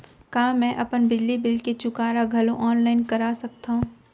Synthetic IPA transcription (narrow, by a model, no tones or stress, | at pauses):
kaːmɛ̃ʔɐpənbɪd͡ʒlibɪlket͡ʃʊkaːɾaɡʱɐlõʔɔːnlaːɪnkɐɾaːsɐk̚t̪aɦũː